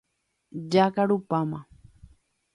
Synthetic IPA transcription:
d͡ʒakaɾupamã

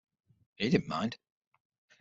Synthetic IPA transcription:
edɪdⁿn̩mã̰ɪ̃nd̥

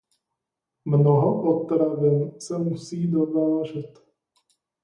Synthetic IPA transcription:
mnɔɦɔpɔt̪ɾavɛnsɛmusiːd̪ovaːʒɛt̪

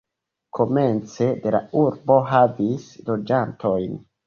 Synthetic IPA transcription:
kʰo̞me̞nt͡se̞de̞la̰uɾbo̞ɦavislo̞d͡ʒanto̞jn

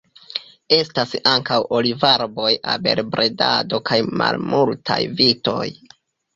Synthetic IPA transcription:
e̞stasaŋkawʔolivaɾbo̞ja̰be̞lbɾʔeda̰do̞kajma̰lmultʰa̰jvito̞̰j

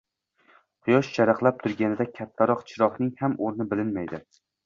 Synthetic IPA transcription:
qʰʊjɒʃt͡ʃʰaɾaqlˠap̚t̪ʰʊɾɡʲanɪd̪akʲʰat̪ʰːaɾɒqt͡ʃʰɪɾɒhnɪŋhamʔoɾnɪbɪlɪnmajd̪ɪ

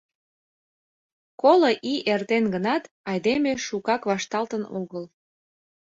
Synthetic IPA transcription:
koloʔiʔert̪enɡənɑt̪ | ɑjd̪emeʃukɑkβɑʃt̪ɑlt̪ənoɣəl

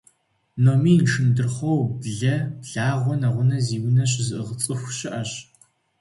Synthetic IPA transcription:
noːmiːnʈ͡ʂʰɨndɨrχʷowbɮɐbɮaːʁʷɔnɐʁʷʊnɐziːwʊnɐɕ̬ɪzɨʔɨʁət͡sʼɨxʷʃɪʔɐɕ

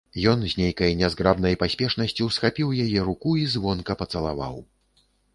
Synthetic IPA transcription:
jɔnzʲnʲejkɐjnʲɛzɡɾabnɐjpasʲpʲɛʂnɐsʲt͡sʲiwsxapʲiwjajɛɾukuizvɔnkɐpɐt̪sɐlˠava̰w

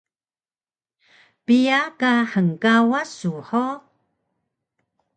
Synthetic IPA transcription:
pijakaħəŋkawasuħo

